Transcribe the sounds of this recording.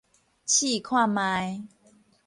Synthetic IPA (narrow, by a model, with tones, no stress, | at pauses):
t͡ɕʰiː˥˩kʰwaː˥˩mːaː˧j